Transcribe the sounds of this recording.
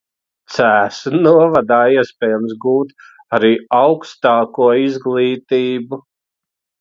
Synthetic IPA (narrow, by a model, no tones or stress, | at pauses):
t̪sæːsunuɔvad̪aːiɛspʲɛːjams̬ɡuːt̪ | aɾiːawkst̪aːkuɔizɡlˠiːt̪iːbu